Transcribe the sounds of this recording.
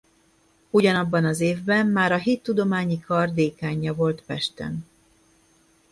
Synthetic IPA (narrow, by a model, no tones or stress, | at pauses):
uɟɒnɒbːɒnɒzeːvbɛmːaːɾɒɦit̪ːud̪o̞maːɲikʰɒrd̪eːkaːɲːɒvo̞lt̪pɛʃt̪ɛ̰n